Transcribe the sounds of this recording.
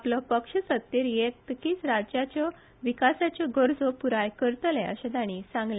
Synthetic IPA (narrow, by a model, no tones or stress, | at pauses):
aplɔpəkʂəsət̪ːiːɾjekt̪əkiːt͡sɾad͡ʑjat͡ɕɔ | ʋikasat͡ɕjɔɡəɾd͡zopuɾajkəɾt̪lɛə̰ɕẽd̪aɽ̃isãŋɡle